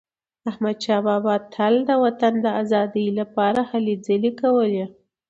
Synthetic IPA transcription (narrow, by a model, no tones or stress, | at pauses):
ahmad̪ʃɑbɑbɑd̪̚t̪ʰald̪əwat̪and̪əazɑd̪əjlapɑɾahaled͡zəlekawəle